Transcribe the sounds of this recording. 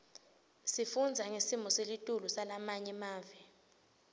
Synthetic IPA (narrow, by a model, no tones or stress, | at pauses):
sifund͡zʱaŋesimɔselitʼulusalamaɲɛmaːvi